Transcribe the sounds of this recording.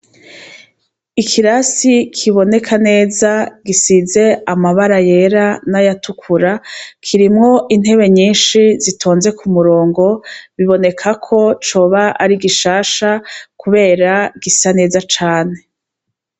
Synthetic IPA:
ikʰiɾasikʰiβo̞ne̞kʰane̞ːzaɡisize̞amaβaɾaje̞ɾanajatʰukʰuɾakʰiɾimŋo̞ʔin̥he̞βe̞ɲiːnʃizitʰoːnze̞kʰumuɾo̞ːŋɡo̞βiβo̞ne̞kʰakʰo̞t͡ʃo̞ːβaʔaɾiɡiʃaːʃakuβe̞ːɾaɡ̥isane̞ːzat͡ʃaːne̞

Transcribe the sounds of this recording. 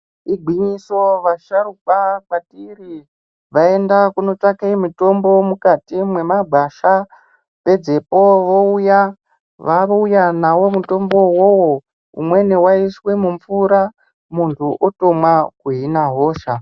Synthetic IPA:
iɡʱwiɲiso̞ʋaʃaɾukakatiri | ʋae̞ndakuno̞takeimuto̞mbo̞mukatimwe̞mabʱaʃa | pe̞d͡ze̞po̞ʋo̞uja | ʋaujanawo̞muto̞mbo̞wowo | ṵmwe̞newaiswe̞muɱfuɾa | muntʰuʔoto̞mwakuɦinaɦo̞ːʃa

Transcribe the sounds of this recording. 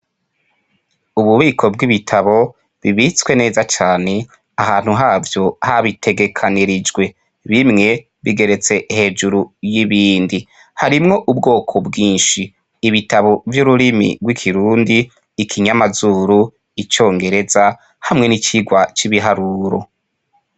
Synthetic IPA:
uβuβiːkʰo̞bɡiβitʰaβo̞ | βiβit͡swe̞ne̞ːzat͡ʃaːne̞ | aɦaːn̥huɦaːvjo̞haβitʰe̞ɡe̞kʰaniɾid͡ʒɡwe̞ | βimŋe̞ | βiɡe̞ɾe̞t͡se̞he̞ːd͡ʒuɾujiβiːndi | haɾimŋo̞ʔubɡo̞ːkʰobɡiːnʃiː | βitaβo̞vjuɾuɾimḭɡwikʰiɾuːndiː | kʰiɲamazuːɾu | it͡ʃo̞ːŋɡe̞ɾe̞za | hamŋe̞nit͡ʃiɡwat͡ʃiβiɦaɾuːɾo̞̰

